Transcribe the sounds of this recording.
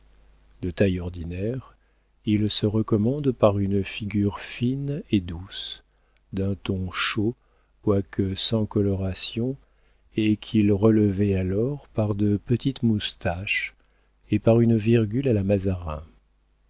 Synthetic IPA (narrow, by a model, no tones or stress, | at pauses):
d̪ət̪ajɔʁd̪inɛʁ | ilsəʁəkɔmɑ̃d̪paʁynfiɡʲyʁfined̪us | d̪ɛ̃t̪ɔ̃ʃo | kwakʰəsɑ̃kɔlɔʁasjɔ̃ | ekʰilʁələvɛalɔʁpaʁd̪əpət̪it̪must̪aʃ | epaʁynviʁɡʲylalamazaʁɛ̃